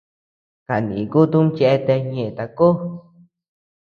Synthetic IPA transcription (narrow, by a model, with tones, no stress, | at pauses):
ka˨nḭ̃˨ku˦t̪u˦m˦t͡ʃɛ˧t̪ɛ˧ɲẽ˧˨t̪a˧ko˦